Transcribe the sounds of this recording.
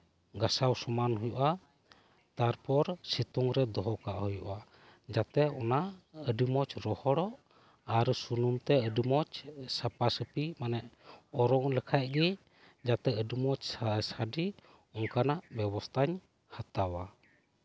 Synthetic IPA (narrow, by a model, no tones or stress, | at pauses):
ɡasawsɔmanɦujuʔa | t̪aɾpɔɾsit̪uŋɾɛd̪ɔɦɔkaʔhujṵʔa | d͡ʒat̪ɛɔnaəɖimɔt͡ʃɾɔhɔɽɔʔ | aɾsunumt̪ɛəɖimɔt͡ʃsapasəpimanɛʔɔɾɔŋləkʰaʔ̚ˀɡi | d͡ʒat̪ɛəɖimɔt͡ʃsaɖi | ɔŋkanaʔbɛbɔst̪ʰaɲ | hat̪awa